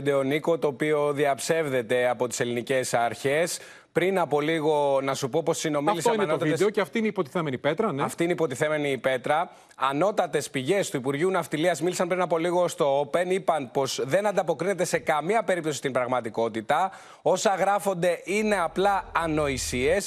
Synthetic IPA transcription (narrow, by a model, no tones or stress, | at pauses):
d̪eoniko̞t̪o̞ːpio̞ðiɐpse̞vðe̞t̪e̞ɐpo̞t̪i̥se̞linice̞sɐɾçe̞s | pɾinɐpo̞liɣo̞nɐsupo̞po̞sino̞mɐlisoɐinenot̪ɐvid̪eoeɐft̪iineipot̪i̥θemenipet̪ɾɐnɐft̪iineipo̞t̪iθe̞me̞nipe̞t̪ɾɐː | no̞t̪ɐt̪e̞spiʝe̞st̪uipuɾʝiunɐft̪iliɐzmilisɐnpɾinɐpo̞liɣo̞st̪o̞ope̞nipɐnpo̞zðe̞nɐnd̪ɐpo̞kɾine̞t̪e̞sekɐmiɐpe̞ɾip̚t̪o̞si̥t̪imbɾɐɣmɐt̪iko̞t̪it̪ɐ | o̞sɐɣɾɐfo̞nd̪e̞ʔine̞ɐplɐːno̞isie̞s